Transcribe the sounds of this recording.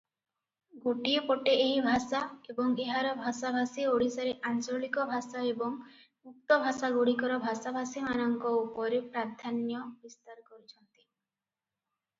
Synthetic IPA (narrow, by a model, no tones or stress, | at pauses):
ɡuʈiepoʈeːɦibʱasaebɔŋeɦaɾɔbʱasabʱasioɽ̤isaɾeʔant͡ʃoɭikɔbʱasaebɔŋ | uk̚t̪ɔbʱasaɡuɽikɔɾɔbʱasabʱasimanɔŋkɔupɔɾepɾad̪ʱanjɔbist̪aɾkɔɾit͡ʃʰɔnt̪i̥